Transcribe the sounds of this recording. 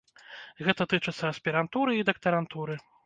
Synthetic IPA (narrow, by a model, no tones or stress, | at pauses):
ɣɛt̪ɐt̪ɨt͡ʂɨt̪sːɐɐsʲpʲiɾant̪uɾɨid̪ɐk̚t̪ɐɾant̪uɾɨ